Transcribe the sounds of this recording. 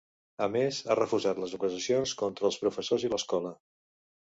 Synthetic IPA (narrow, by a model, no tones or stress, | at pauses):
əmeza̰rəfuʒat̪ləzukəzəsionskɔnt̪ɾəːlˠspɾufəsoziləskɔlə